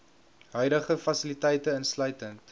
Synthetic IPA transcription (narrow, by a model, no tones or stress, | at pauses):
ɦœɥdəχəfɐsilitɛjtəənslœɥtənt